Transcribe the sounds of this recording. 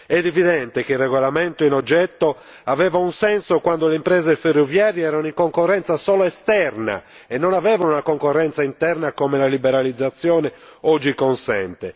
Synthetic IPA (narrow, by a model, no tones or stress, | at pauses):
ɛd̪ɛviðɛnt̪ek̟eirːɛɣɔlamɛnt̪oinɔd͡ʒːɛt̪ːɔ | avɛːvaunsɛnsokwand̪oleimpɾɛːzɛferːovjaːɾjɛɛːɾanoiŋkoŋkɔrːɛnt̪sasɔːlɔɛst̪ɛrna̰ | ɛnːɔnavɛːvanunakoŋkɔrːɛnt̪saint̪ɛrnakomɛlalibɛɾalid̪zːat̪sːjɔːnɛɔd͡ʒːikɔnsɛ̰nt̪ɛ